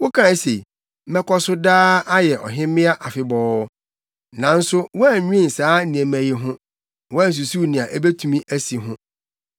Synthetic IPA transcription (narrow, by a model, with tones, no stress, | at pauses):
wʊ˦kʰã˦˨˦se˨ | mɛ˦kʰɔ˦sʊ˦daː˦a˦jɛ˨ʔɔ̰˨ɦɪ̃˦mɪ̃˦a˦ʔa˨fɪ˨bɔː˨˦ | nã˨n̩˦sʊ˦wɔ˦æ˦˨ɲᶣ˦ĩ˦˨saː˦nĩ˨ɛ˨mæ̃˨je˨ɦʊ̃˦ | wɔ˦æ˦n̩˨s̬u˨su˦˨nɪ̃˨a˨ʔe˦be˦tʰũ˨mĩ˦ʔæ˦si˨ɦʊ̃˦